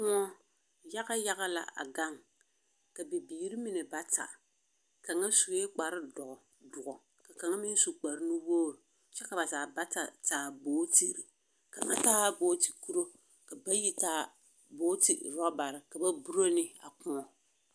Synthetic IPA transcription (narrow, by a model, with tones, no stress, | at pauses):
kʊ˦ŋɔ˦ | ja˦ɣa˦ja˦ɣa˦la̰˨ʔa̰˨ɡa˦ŋ | ka˨bi˨biː˨ɾi˦mi˦nɛ˨ba˦ta̰˨ | ka˨ŋa˦su˨˦e˦k͡pa˨ɾɨ˦dɔ˨ʔɔ˨ | dʊ˨ʔɔ˨ | ka˨ka˨ŋa˦mi˦n˦su˨k͡pa˨ɾɨ˦ni˦woː˦ɾ | t͡ʃɛ˦ka˨ba˨zaː˨ba˦ta̰˨taː˨boː˦ti˦˨ɾi˨ | ka˨ŋa̰˦taː˦boː˦ti̥˨ku˦ɾo˦ | ka˨ba˦ji˦taː˦ | boː˦tɪ̰˨ɾɔ˦ba˨ɾɪ˨ka˨ba˦bu˦ɾo˦nɪ˦a̰˨kʊ˦ŋɔ˨